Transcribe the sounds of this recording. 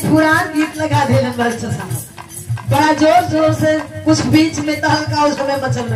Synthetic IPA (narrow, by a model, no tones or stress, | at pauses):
puɾanɡit̪ləɡʱad̪ʱelənbəd͡ʒt͡ʃʰəsə | bəɽad͡ʒoɾd͡ʒoɾsẽkut͡ʃʰbit͡ʃmẽt̪əɦə̃nkaud͡ʒəmemət͡ʃəlɾə